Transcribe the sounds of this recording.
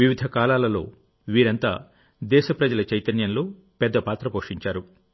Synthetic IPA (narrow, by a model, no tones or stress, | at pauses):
iʋid̪ʱɐkaːlaːlɐlo̞ː | ʋiːɾɐnt̪a̰ː | d̪ɛːʃɐpɾɐd͡ʒɐlɐt͡ʃɐjt̪ɐnjɐnlo̞ː | pɛd̪ːɐpaːt̪ɾɐpoːʂiɲt͡ʃaːɾu